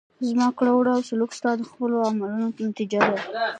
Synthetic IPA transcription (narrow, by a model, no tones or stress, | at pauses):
zmɑkɽawɽawsalukst̪ɑd̪əxpəloamalunopənat̪id͡ʒad̪a